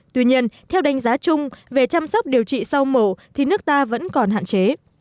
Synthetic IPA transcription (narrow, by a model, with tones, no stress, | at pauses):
t̪wi˧ɲi˧ənt̪ʰɛ˧wɗa˨˦jŋ̟zaː˨˦t͡ɕʊ˧ŋ͡mve˨˩t͡ɕa˧msa˦˥wk͡p̚ɗi˨˩əwt͡ɕḭ˧˨sa˧wmo˧˩t̪ʰi˨˩nɨ˦˥ək̚t̪aː˧və̰˧˥nkɔ˨˩nha̰ː˧˨t͡ɕe˨˦